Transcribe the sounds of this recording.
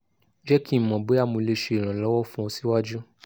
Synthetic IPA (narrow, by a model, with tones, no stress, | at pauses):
d͡ʒɛ˦kĩ˦˨mɔ̃˨be˨˦a˦˨mũ˧le˦ʃe˧i˨ɾ̃ã˨lɔ˨˦wɔ˦fũ˦ɔ˧si˦wa˦d͡ʒu˦